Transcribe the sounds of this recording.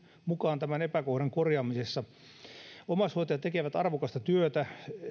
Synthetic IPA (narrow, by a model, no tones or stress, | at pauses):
mukɑːnt̪æmænepækohɾɑŋkorjɑːmisesːɑ | omɑshoˑt̪ejɑt̪ekeʋæt̪ɑrʋokɑst̪ɑt̪yøt̪æ